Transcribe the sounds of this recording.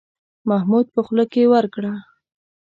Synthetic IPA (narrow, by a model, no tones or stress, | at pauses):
mahmud̪̚pəxləkewəɾkɽa